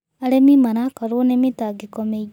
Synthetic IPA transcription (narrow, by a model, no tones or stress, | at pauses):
aɾemimanakaɾonemitaɡekɔme